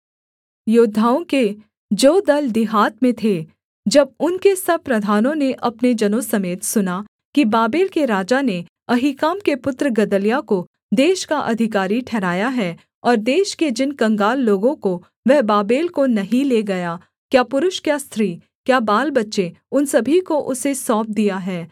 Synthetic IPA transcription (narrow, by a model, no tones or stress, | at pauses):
jʊːd̪ʱːaːõke | d͡ʒoːd̪ɐld̪ɪɦaːt̪mẽt̪ʰe | d͡ʒɐb̚ʊnkesɐb̚pɾɐd̪ʱaːnõneʔɐpned͡ʒɐnosɐmeːt̪sʊna | kibaːbeːlkeɾaːd͡ʒane | ɐɦikaːmkepʊt̪ɾəɡɐd̪əlijako | d̪eːʃkaʔɐ̰d̪ʱɪk̬aːɾiʈʰɛːɾaːjaɦɛː | ɔːɾd̪eːʃked͡ʒɪnkɐ̃ŋɡaːlːoːɡõko | ʋɛɦbaːbeːlkonɐɦĩleːɡɐja | kjaːpʊɾʊʃkjast̪ʰɾiː | kjaːbaːlbɐtːʃeʊnsɐbʱikoʔʊsesɔːp̚d̪ijaɦɛː